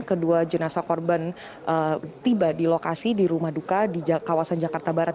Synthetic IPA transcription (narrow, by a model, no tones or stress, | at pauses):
kəduad͡ʒənasakɔrban | ʔət̪ibadilokasidiɾumahdukadid͡ʒkawasand͡ʒakart̪abaɾat̪